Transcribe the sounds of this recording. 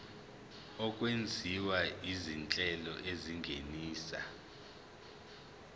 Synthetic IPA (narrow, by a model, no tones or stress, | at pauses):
ɔk̬ʼwend͡zʱiwaizint͡ɬʼɛlɔ̰ʔeziŋɡʱeniːsa̰